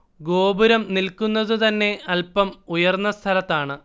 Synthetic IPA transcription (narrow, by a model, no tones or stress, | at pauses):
ɡo̞ːbuɾɐmnilkunːɐðɨt̪ɐnːe̞ɐlpɐmujɐrnːɐst̪ʰɐlɐt̪ːaːɳɨ